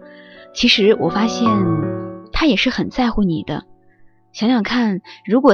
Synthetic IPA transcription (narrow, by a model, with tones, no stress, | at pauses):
t͡ɕʰi˧˥ʂɻ̩˧˥wʔɔ˨˩fa˥ɕjɛ˥˩nt̪ʰa˥jɛ˨˩ʂɻ̩˥˩xə˨˩nt͡sa˥˧ɪxu˥˩ni˨˩d̪ə̰˦ | ɕjɑ˧˥ŋɕjɑ˨˩ŋkʰa˥˩nɻu˧˥kwɔ˨˩